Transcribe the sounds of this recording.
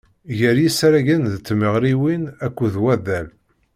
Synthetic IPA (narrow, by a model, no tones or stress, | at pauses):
ʝəɾjisɾæʝənðt͡sːməʁɾiwinækʷːuðwæðæl